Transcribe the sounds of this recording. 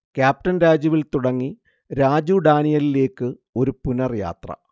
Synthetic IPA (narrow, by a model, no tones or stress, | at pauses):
kʲjaːp̚ʈɐnɾaːd͡ʑjɐʋilt̪uɽɐŋːi | ɾaːd͡ʑuɖaːɳijɐlile̞ːkːɨ | o̞ɾupunɐrja̰ːt̪rɐ̰